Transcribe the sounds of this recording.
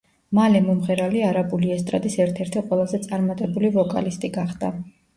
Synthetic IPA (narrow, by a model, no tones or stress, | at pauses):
malɛmɔmʁɛɾaliaɾabuliɛst̪ʼɾa̰d̪isɛɾt̪ʰɛɾt̪ʰiqʼwɛlˠazɛt̪sʼaɾmat̪ʼɛbulivɔkʼa̰list̪ʼiɡaχd̪̥a